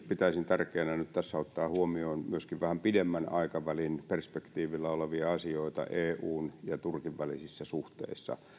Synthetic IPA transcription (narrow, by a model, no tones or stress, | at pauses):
pit̪æisint̪ærkeːnænyt̪t̪æsːæot̪ːɑːhuomioːnmyøskiʋʋæhæmpidemːænɑikɑʋælinperspekt̪iːʋilːɑoleʋiɑɑsioit̪ɑ̰ʔeːuːnjɑt̪urkiʋʋælḭsisːæsuht̪ḛisːɑ̰